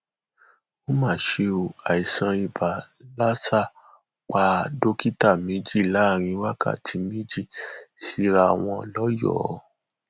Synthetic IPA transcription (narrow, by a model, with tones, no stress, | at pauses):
o˦mãː˦˨ʃe˧o˨a˨i˨sã˧i˧ba˨ | la˦sa˦˨ | k͡pa˧do˦ki˦ta˦˨mĩ˨˦d͡ʒi˦˨la˨˦˨ɾ̃ĩ˧˦wa˦ka̰˦˨tʰi˨˦mĩ˦d͡ʒi˦˨ʃi˨˦ɾa˧˨w̃ɔ̃˧˨lɔ˦jɔ̰˦˨˦